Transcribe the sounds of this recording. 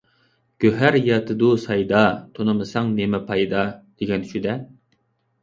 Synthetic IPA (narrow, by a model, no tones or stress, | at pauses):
ɡ̥ʲøɦæɾjɑt̪ʰɨd̪usɑjd̪ɑt̪ʰonɨmɨsɑŋnemɛpʰɑjd̪ɑd̪̥eɡʲɛnʃyd̪ɛ